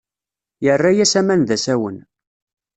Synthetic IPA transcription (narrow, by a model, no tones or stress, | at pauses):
jərːajæsæmænðæsæwən